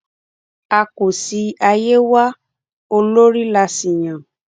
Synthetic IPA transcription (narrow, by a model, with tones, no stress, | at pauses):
a˧ko˨si˧a˧je˦wa˦ | o˧lo˦ɾi˦la˧si˨j̃ã˨